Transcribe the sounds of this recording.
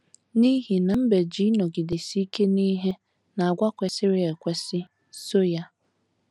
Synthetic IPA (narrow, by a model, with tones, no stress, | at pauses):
ni˦ɦi˨na˨m̩˦be˨d͡ʒi˦nɔ˨ɡɪ˨de˨si˦ke˦ni˦ɦe˦ | na˨a˨ɡʷa˦kʷe˨sɪ˦ɾɪ˦e˨kʷe˦sɪ˦ | so˦ja˦